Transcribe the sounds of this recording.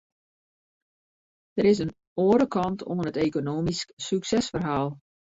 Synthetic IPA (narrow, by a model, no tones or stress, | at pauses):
d̥əɾɪs̬ən | oːəɾəkʰɑntʰonənəteːkonoːmisksyksɛsfərɦaːlˠ